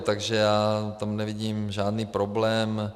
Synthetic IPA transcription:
t̪aɡʒɛjaːt̪amnɛvɪɟiːmʒaːdniːpɾoblɛːm

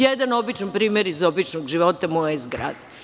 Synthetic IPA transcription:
jed̪ano̞bit͡ʃanpɾiːmʲeɾizobit͡ʃnoɡʒiʋot̪amojezɡɾa̰d̪e

